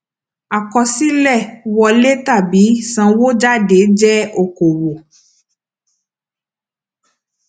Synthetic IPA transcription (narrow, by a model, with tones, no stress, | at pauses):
a˨kɔ˧si˦lɛ˦˨wɔ˧le˦ta˦˨bi˨˦sã˧wo˦d͡ʒa˦˨de˨˦d͡ʒɛ˦o˦˨ko˨wo˨